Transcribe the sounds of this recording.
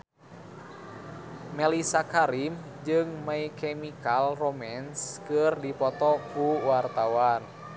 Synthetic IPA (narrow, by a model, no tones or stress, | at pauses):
mɛlisakaɾim | d͡ʒɨŋmaikɛmikalromɛnskɨrdipɔt̪ɔkuwart̪awan